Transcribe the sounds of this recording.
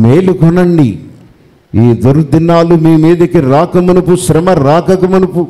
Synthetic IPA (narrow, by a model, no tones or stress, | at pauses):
meːluɡʱɔnɐɳɖi | iːd̪uɾd̪inaːlumiːmiːd̪ɐkiɾaːkɐmɐnupuʃɾɐmɐɾaːkɐkɐmɐnupu